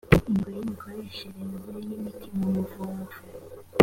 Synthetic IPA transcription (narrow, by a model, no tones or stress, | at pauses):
iŋɡojemikʰoɾeʃeɾemɡiɾenimitʰimomuvuɱvu